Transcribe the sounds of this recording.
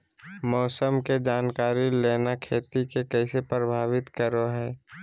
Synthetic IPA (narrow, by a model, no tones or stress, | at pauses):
mɔːsəmked͡ʒaːnkaːɾileːnakʰeːt̪ikekɛːsepɾəbʱaːʋɪt̪kəɾoɦɛː